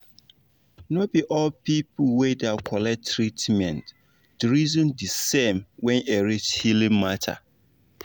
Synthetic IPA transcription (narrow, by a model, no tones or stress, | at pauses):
nobiʔɔlpʰipʰʊwedeakʰɔlɛk̚tʰːɹitmɛ̃nt | d̥əɾizɔ̃ndisẽmwɛ̃neɾithilĩmmatʰa̰